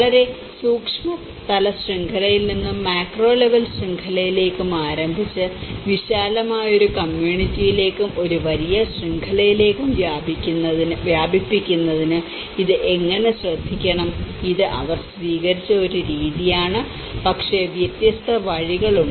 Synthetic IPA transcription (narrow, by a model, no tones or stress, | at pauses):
ɐɭɐɾe̞ | suːkʂmɐ | t̪ɐlɐɕriŋɡʰʱɐlɐjilninːumːaːkro̞ːle̞ʋɐlsriŋɡʰɐlɐjile̞ːkːumaːɾɐmbʱit͡ɕːɨʋiɕaːlɐmaːjo̞ɾukɐmjuːɳitːijile̞ːkːumʔo̞ɾuʋɐɾijɐɕriŋkʰɐlɐjile̞ːkːumʋjaːbikʲːunːɐðinɨʋjaːbipːikʲːunːɐðinɨ | iðɨʔeŋːɐne̞ɕrɐd̪ʱːikʲːɐɳɐmiðɨʔɐ̰ʋɐrsʋiːɣɐɾit͡ɕːɐo̞ɾuɾiːðijaːɳɨ | pɐkʂe̞ʋjɐt̪jɐst̪ʰɐʋɐɻiɣɐɭuɳɖ